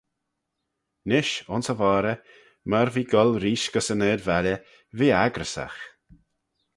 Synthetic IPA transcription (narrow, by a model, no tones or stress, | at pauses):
nɪʃʊnsəvɑːɾə | maɾviːɡɔlɾiːʃɡ̥əsəneːɾvalʲə | viːaɡɾəsa̰x